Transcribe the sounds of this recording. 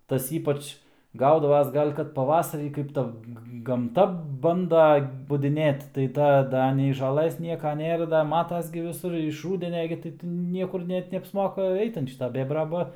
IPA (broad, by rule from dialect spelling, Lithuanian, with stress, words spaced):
ˈtɐs ˈiːpɐt͡ʃ ˈɡɐʊdɐʋɐs ˈɡɐlʲ kɐt pɐˈʋɑːsɐrʲiː ˈkɐɪp ˈtɐ ɡɐmˈtɐ ˈbɐndɐ bʊdʲɪˈnʲeːt tɐɪ ˈtɐ ˈdɐ nʲɛɪ ʒɐˈlˠɘs ˈnʲiɛkɐ ˈnʲeːrɐ dɐ ˈmɑːtɐs ɡʲɪ ʋʲɪˈsʊr ɪʃ ˈruːdʲɛnʲɛ ɡʲɪ tɐɪ tʲɪ ˈnʲiɛkʊr ˈnʲɛt nʲɛɐpsˈmoːkɐ ˈɛɪt ɐn ˈʃʲɪtɐ ˈbʲeːbrɐ ˈbɐ